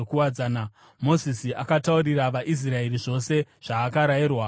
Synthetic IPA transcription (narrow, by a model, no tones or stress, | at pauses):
okuwad͡zaːna | mo̞zisiakatauɾiɾaʋaʔis̬rae̞riʐo̞se̞ʐ̥aːkaɾairwa